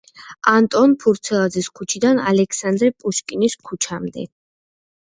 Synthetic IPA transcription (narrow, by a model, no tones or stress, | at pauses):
ant̪ʼɔnpʰuɾt̪sʰɛlˠad̪zɛskʰut͡ʃʰid̪ana̰lɛkʰsand̪ɾɛpʼuʃkʼiniskʰut͡ʃʰamd̪ɛ̰